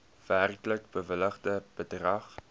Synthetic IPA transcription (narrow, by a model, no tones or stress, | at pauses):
værkləkbəvələχdəb̥ədrɐχ